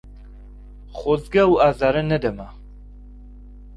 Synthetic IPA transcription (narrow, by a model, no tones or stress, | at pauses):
χɔzɡauazaɾənɛd̪ɛma